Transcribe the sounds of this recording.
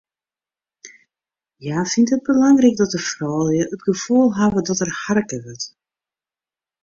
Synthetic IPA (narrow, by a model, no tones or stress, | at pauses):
jaːfintɦət̚bəlɑŋrɛk̚dɔt̚dəfrɔːlˠjəʔətɡəv̥ulˠɦaːvədɔtərharkəʋʏt